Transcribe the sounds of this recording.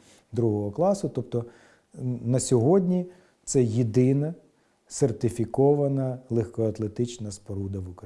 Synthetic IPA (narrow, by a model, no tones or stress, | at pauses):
d̪ɾuɦɔɦɔklˠɑsʊt̪ɔp̚t̪ɔ | nɐsʲɔɦɔdʲnʲi | t̪sɛjid̪ɪnɐ | sert̪ɪfʲikɔʋɐnɐlˠexkɔɐt̪lˠet̪ɪt͡ʃnɐspɔɾud̪ɐʋukɾɐ